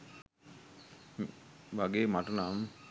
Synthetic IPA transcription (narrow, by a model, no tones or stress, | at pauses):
ʋaɡeːmaʈənam